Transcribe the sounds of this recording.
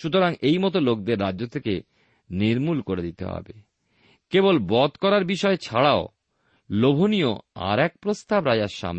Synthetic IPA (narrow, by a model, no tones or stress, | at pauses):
ʃut̪oɾaŋejmɔt̪̬olok̚d̪eɾːad͡ʑːot̪ʰeke | niɾmulkoɾed̪it̪ḛɦɔ̰be | kebolbɔd̪kɔɾaɾbiʃɔet͡ɕʰaɽao | lobʱonijoa̰ɾɛk̚pɾost̪abɾad͡ʑaɾʃa̰m